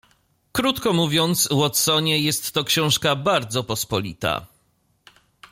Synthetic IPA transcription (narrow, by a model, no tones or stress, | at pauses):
kɾut̪kɔmuvʲjɔnt̪swɔt̪sɔɲɛjɛst̪ːɔkɕɔ̃w̃ʂkabaɾd̪zɔpɔspɔlʲḭt̪a̰